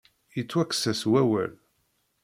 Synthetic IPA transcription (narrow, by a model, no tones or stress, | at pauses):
jit͡sːwækːsæswæwæ̰l